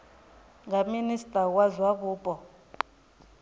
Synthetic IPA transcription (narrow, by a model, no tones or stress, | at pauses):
ŋɡaministʼawazwaβuːpʼɔ